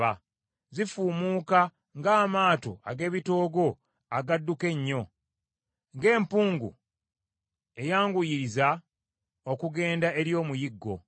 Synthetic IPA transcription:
a | zifuːmuːka | ŋɡaːmaːto̞̰ʔaɡe̞ːβito̞ːɡo̞ | aɡadːuke̞ɲːo̞ | ŋɡe̞ːmpuːŋɡṵ | e̞jaːŋɡujiɾiza | okuɡe̞ːndae̞ɾjo̞ːmujiɡːo̞̰

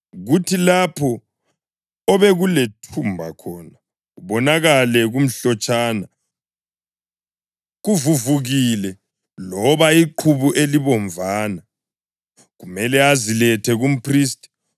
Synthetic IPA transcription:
ɣutʰilapʰɔ | ɔβɛɣuletʰumbʱa̰kʰɔːna | uβɔnaɣalɛɣum̩ɬɔt͡ʃʼaːna | ɣuvuvuɣilɛ | lɔβaiǃʰuβuʔeliβɔɱvʱaːna | ɣumɛlɛazilɛtʰɛɣum̩pʰriːstʼi̥

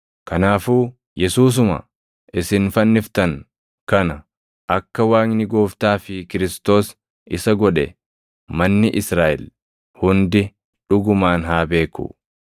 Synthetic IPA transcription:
kɐnaːfuː | jɛsuːs̬ʊmɐ̰ | ʔɪsɪnfɐnːɪft̪ɐŋ | kɐnɐ | ʔɐkːɐwaːŋnɪɡoːft̪aːfɪkɪɾɪst̪o̞ːs | ɪsɐɡɔᶑɛ | mɐnːɪʔɪsɾaːʔɪ̰l | hʊnd̪ɪ | ᶑʊɡʊmaːnɦaːbe̞ːkːṵ

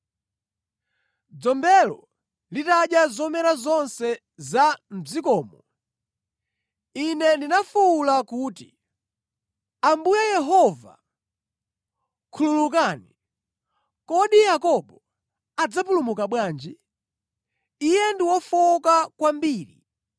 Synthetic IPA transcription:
d͡zɔmbɛlɔ | litaɗjazɔmɛɾazɔnsɛ | zam̩zikɔːmɔ | inɛndinafuulakuːtḭ | ambujajɛɦɔva̰ | kʰululuk̬aːni | kɔɗijakɔɓɔ | ad͡zapulumukaɓwaːnd͡ʒi | ijɛndiwɔfɔkakwambiːɾḭ

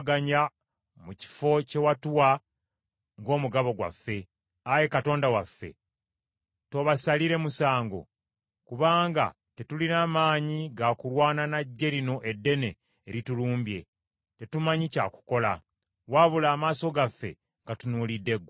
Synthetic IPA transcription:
ɡaɲa | muci̥fo̞ce̞watuwa | ŋɡo̞ːmuɡaβo̞ɡwa̰fːe̞ | aje̞kato̞ːndawafːe̞̰ | to̞βasaliɾe̞musaːŋɡo̞̰ | kuβaːŋɡa̰ | tetulinaːmaːɲiɡakulwaːnanaɟːe̞ɾino̞ʔe̞dːe̞ne̞ː | ɾituluːmbje̞̰ | te̞tumaɲica̰ku̥ko̞la̰ | waβulaːmaːso̞ɡafːe̞̰ | ŋɡatunuːlidːe̞ɡ

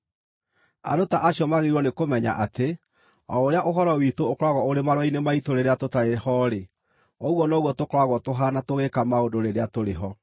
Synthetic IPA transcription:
a̰dotaʔaɕiɔmaɣeiɾwɔnekomɛɲa̰ʔate | ɔ̰oɾeaʔoɦɔɾɔwitoːkɾwaɣɔoɾemaɾwainemaitoɾeɾeatotaɾeɛhɔɾe | ɔɣwɔnɔɣwɔtokɾwaɣwɔtoɦanatoɣekamaodoɾeɾeatoɾeɦɔ

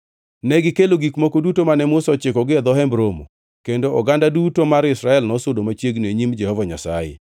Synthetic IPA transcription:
nɛɡɪkeloɡikmokodutomanɛmʊsɔt͡ʃɪkɔɡɪd̪ɔɦɛmbɾomo̰ | kendoɔɡandadutomaɾɪsɾaɛlnɔsodomat͡ʃjeɡneɲimd͡ʒɛhɔvaɲa̰sa̰jḛ

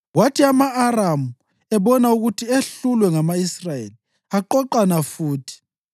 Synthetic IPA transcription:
watʰiamaʔːramu | ɛβɔnauɣutʰieɬulwɛŋamaisrajḛli | aǃɔǃanafuːtʰi̥

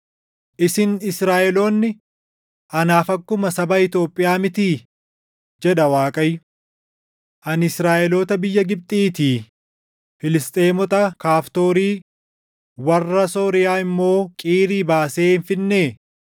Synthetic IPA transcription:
ʔɪsɪnɪsɾaːʔɛlo̞ːnːɪ | ʔɐnaːfɐkːʊmɐsɐbɐɪt̪jo̞ːpʼːɪjaːmɪt̪iː | d͡ʒɛᶑɐwaːkʼɐjʊ | ʔɐnɪsɾaːʔɛlo̞ːt̪ɐbɪjːɐɡɪb̚t̪ʼiːt̪iː | fɪlɪst̪ʼe̞ːmɔt̪ʼɐkaːft̪o̞ːɾiː | wɐrːɐso̞ːɾɪjaːɪmːo̞ːkʼiːɾiːbaːse̞ːhɪnfɪnːeː

